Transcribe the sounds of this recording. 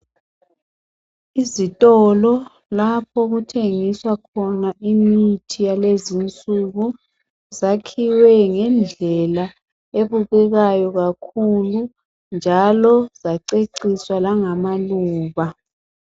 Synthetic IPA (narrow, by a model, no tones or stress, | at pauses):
izitʼɔlɔ | lapʰɔɣutʰeŋiswakʰɔnaʔimitʰijalezint͡sʼuɣu | zakʰiwɛŋɛnd͡ɮʱɛla | eβuɣɛɣajɔɣakʰulu | nd͡ʒʱalɔzaǀeǀiswalaŋamaluːβa